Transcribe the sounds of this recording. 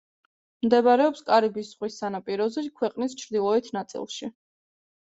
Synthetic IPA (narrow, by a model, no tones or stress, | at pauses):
md̪ɛbaɾɛɔpskʼaɾibisz̥ʁwisːanapʼiɾɔzɛkʰwɛqʼnist͡ʃʰɾd̪ilˠɔit̪ʰnat̪sʼḭlˠʃi